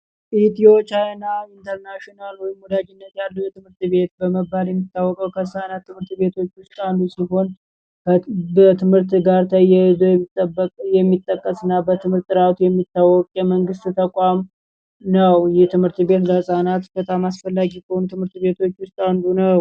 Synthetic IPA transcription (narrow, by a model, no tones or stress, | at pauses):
ʔit̪io̞t͡ʃajnaint̪ʰəɾnaʃionalhɔjimːud̪aɡɪnːət̪jalːujɛt̪ɨmhɨɾt̪be̞t̪̚bəməbːaljɛmːit̪ʰːawːɔkʼəwkʰəhɨsanat̪ʰːɨmhɨɾt̪be̞t̪ʰo̞t͡ʃːwʊst̪ʼand̪ːusiɦo̞n | bət̪ʰɨmhɨɾt̪ɡaɾt̪ʰəjɛzoɛtːjɛmːit̪ʼːəkʼːəsɨnːabət̪ʰɨmhɨɾt̪ʼːɨɾawt̪jɛmːit̪ːawɔkʼjɛməŋɡɨst̪t̪ʰəkʼam | nəwjɛt̪ʰɨmhɨɾt̪be̞t̪ləhɨsʼanat̪bət̪ʰamasfəlːaɡikəonut̪ʰɨmhɨɾt̪be̞t̪ʰo̞t͡ʃːwʊst̪ʼand̪unəw